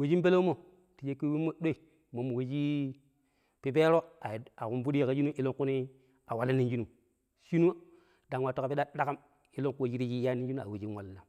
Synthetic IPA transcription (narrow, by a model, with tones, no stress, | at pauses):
we˨d͡ʒi˦mbe˦lo˦mo˦˨ | ti˨d͡ʒe˦kːi˦wi˦mːo˦ɗo˦i˨ | mo˨mu˨we˦d͡ʒi˦ | pi˦pe˦ɾo˦a˨a˨ku˦nfu˦di˦ja˨ka˨d͡ʒi˦nu˦ʔi˦lo˦ŋku˦ni˦ | a˨wa˨li˦nːi˦nd͡ʒi˦nu˨ | ʃi˦nu˦ | da˨ŋwa˨to˦ka˨pi˦da˦da˦ka˦m | i˦lo˦ŋkd͡ʒi˦ɾi˦d͡ʒi˦ja˦ni˦nd͡ʒi˦u˦˨a̰˨we˨d͡ʒi˦nwa˨lːa˨